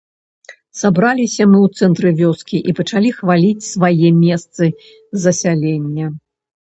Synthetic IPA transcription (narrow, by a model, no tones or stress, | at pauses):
sabɾalʲisʲɐmɨwt̪sɛnt̪ɾɨvʲɔskʲiʔipɐt͡ʂalʲixvalʲit͡sʲsvajɛmʲɛst̪sɨ | zɐsʲalʲenʲːɐ